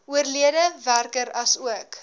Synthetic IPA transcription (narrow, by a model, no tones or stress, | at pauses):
uərliədəværkəɾɐsuək